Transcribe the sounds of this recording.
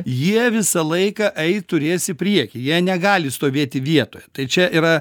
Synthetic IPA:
jiɛʋʲɪsɐlˠɐɪkɐʔɛɪtt̪ʊɾʲeːsɪpʲɾʲiɛkʲɪjiɛnʲɛɡɑːlʲɪst̪oːʋʲeːt̪ʲɪʋʲiɛt̪oːjɛt̪ɐɪt͡ʃʲɛʔiɾɐ

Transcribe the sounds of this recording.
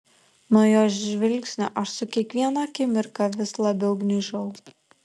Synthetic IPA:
nuɔjoːzʒʲʋʲɪlʲksʲnʲʊʔɐʃsʊkʲiɛkʋʲiɛnɑkʲɪmʲɪɾkɑʋʲɪslˠɐbʲɛʊɡnʲiʒɐʊ

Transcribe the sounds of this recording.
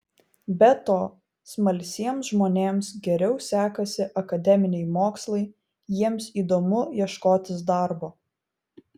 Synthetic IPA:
bʲɛt̪oː | smɐlʲsʲiɛmsʒmoːnʲeːmsɡʲɛɾʲɛʊsʲæːkɐsʲɪʔɐkɐd̪ʲɛmʲɪnʲɛɪmoːkslˠɐɪ | jiɛmsiːd̪oːmʊjiɛʃkoːt̪ʲɪs̬d̪ɑˑɾboː

